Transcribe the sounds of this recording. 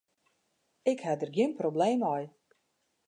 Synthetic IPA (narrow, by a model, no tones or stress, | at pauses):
ɪkhadərɡjɪənprobleːmɔj